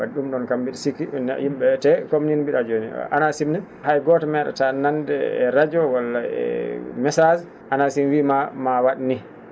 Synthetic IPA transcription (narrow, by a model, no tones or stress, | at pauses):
aɗumɗɔnkambiɗsikin̰jimɓɛtɛkomninbiɗad͡ʒonḭʔa̰nasimnɛ | hajɡɔtɔmɛɗa̰tanandɛɛ̰ɾad͡ʒɔwalːaɛ̰mɛsad͡ʒ | ʔanasimwimamawaɗni